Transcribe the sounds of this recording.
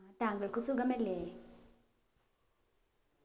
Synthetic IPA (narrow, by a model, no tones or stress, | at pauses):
t̪aːŋɡəɭkusuɡɐmɛɾle